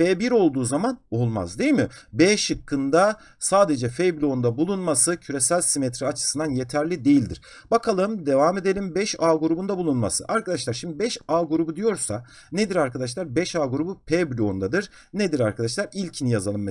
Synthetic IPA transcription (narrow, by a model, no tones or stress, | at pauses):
feːbiɾo̞lˠd̪uːzamano̞lˠma̰zd̪ejimɪbɛːʃɯkʰːɯnd̪a | saːd̪e̞d͡ʒɛfeblʲo̞nd̪abulˠunmasɯcʰyɾe̞sælʲsimɛt̪ʰɾiat͡ʃʰɯ̥sɯnd̪anje̞t̪ʰæɾlʲid̪e̞jilʲd̪ḭɾ̥ | bakʰalˠɯmd̪e̞vame̞d̪e̞lʲimbɛʃaːɡuɾubund̪abulˠunma̰sɯ̰ʔaɾkad̪aʃlˠaɾʃimd̪ibɛʃaːɡuɾubud̪ijo̞ɾsa | ned̪iɾaɾkʰad̪aʃ̬lˠaɾbɛʃaːɡuɾubupʰeblʲo̞nd̪ad̪ɯɾ | ned̪iɾaɾkʰad̪aʃ̬lˠaɾilʲcʰinijazalˠɯm